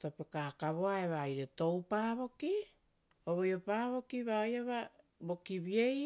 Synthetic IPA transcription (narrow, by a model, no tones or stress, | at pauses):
topekakaβo̞aeβajɾeto̞wpaːβo̞ki | oβojopaːβo̞kiβajaβa | bo̞kiβiej